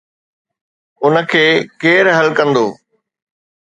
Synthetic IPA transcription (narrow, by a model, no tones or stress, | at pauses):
ʊnə̆kʰeːkeːɾɦɐlkɐ̃nd̪oː